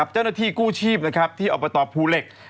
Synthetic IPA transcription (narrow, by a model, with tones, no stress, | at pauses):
a˨˩p̚t͡ɕa˥˩wnaː˥t̪ʰiː˥˩kuː˥˩t͡ɕʰiː˥˩p̚na˦˥kʰa˦˥p̚t̪ʰiː˥˩ʔɔ˨˩bɔ˧t̪ɔː˧pʰuː˧le˨˩k̚